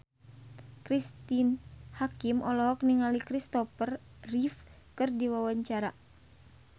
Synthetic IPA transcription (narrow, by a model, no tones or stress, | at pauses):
kɾist̪inhakimɔlɔɦɔk̚niŋalikɾist̪ɔfər | rif | kɨrdiwawaɲt͡ʃaɾa